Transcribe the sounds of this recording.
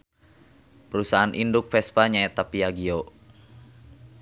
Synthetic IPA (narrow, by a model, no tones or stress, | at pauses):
pəɾusaɦanʔindʊk̚fɛspaɲaɛt̪apiaɡio